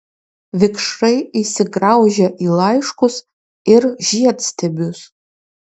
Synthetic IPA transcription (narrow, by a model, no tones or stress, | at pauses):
vɪkʰʂrejisɪɡrawʒaʔilajʂkʷʊs | ɪrʒijatʰstʰebʲus